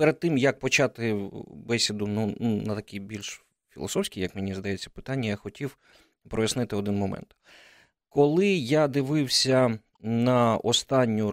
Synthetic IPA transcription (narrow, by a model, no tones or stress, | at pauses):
peɾed̪̚t̪ɪmjɐk̚pɔt͡ʃɑt̪ɪbɛsʲid̪ʊnununɐt̪ɐkʲijbʲilʲʃ | fʲḭlˠɔ̰sɔfsʲkʲijɐkmɪnʲizd̪ɐjet͡sʲːɐpɪ̥t̪ɑnʲːɐjaxɔtʲiw | pɾɔjɐsnɪt̪ɪɔd̪ɪnmɔmɛ̰nt̪ | kɔlˠɪjad̪ɪʋɪwsʲɐ | nɐɔst̪ɑnʲːʊ